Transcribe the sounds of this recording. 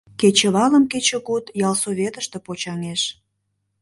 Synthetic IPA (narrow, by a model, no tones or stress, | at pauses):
ket͡ɕəβɑləmket͡ɕĕkut̪jɑlsoβʲet̪əʃt̪ĕpot͡ɕɑŋeʃ